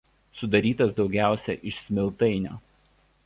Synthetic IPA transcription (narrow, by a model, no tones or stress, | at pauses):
sʊd̪ɐɾʲiːt̪ɐsd̪ɒʊɡʲæˑʊsʲɛ̰ʔɪʃsʲmʲɪlˠt̪ɐɪnʲo̰ː